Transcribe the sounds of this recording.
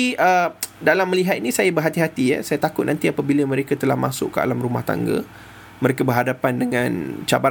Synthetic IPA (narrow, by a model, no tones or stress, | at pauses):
iʔədalamːəliɦat̪̚inĩsajabərɦat̪iɦat̪ijə̰sajat̪akʊt̪̚nant̪iapabiləmə̃ɾekat̪əla̰hma̰sʊ̰ʔkːəa̰lamruma̰ht̪a̰ŋɡə̰ | məɾekabərɦadapandəŋãnt͡ʃa̰ba